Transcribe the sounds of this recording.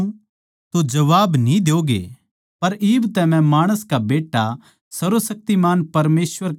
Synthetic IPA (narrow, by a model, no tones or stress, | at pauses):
t̪od͡ʒɐʋaːbnĩd̪eoːɡḛː | pɐɾiːbt̪ɛmɛ̃maːɽ̃əskabeːʈːa | sɐɾosɐk̚t̪imaːnpɐɾmeːsʋəɾ